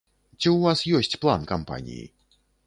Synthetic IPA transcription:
t͡sʲiwvasjɔsʲt͡sʲplˠankampa̰nʲḭjḭ

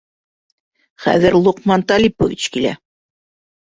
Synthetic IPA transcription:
χæ̰ðɘɾlˠuqmɑnt̪ɑlʲipovʲit͡ɕkilæ̰

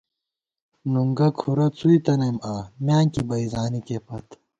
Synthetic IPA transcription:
nuŋɡɐkʰuɾɐt͡suit̪ɐnemaːmjaːŋkibɐizaːnikepɐt̪

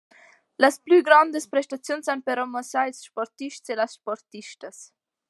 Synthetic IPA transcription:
ləsplyɡɾand̪əspɾɛʃt̪at͡sjunsanpəɾɔmasajsʃpɔɾt̪iʃtselasʃpɔɾt̪iʃt̪əs

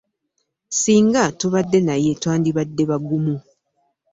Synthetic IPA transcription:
siːŋɡatuβadːe̞naje̞twaːndiβadːe̞βaɡumu

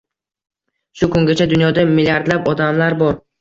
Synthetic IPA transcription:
ʃʊkʰʊŋɡʲat͡ʃʰad̪ʊnjɒd̪amɪlʲaɾd̪lapɒd̪amlaɾbɒɾ

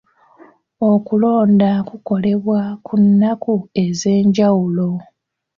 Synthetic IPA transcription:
o̞kulo̞ːndakuko̞le̞βwakʰunːakue̞ze̞ːɲɟawulo̞

